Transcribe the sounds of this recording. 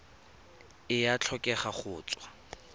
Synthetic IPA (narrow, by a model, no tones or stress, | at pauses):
ɪjat͡ɬʰɔkʼɛχaχʊːt͡sʼwa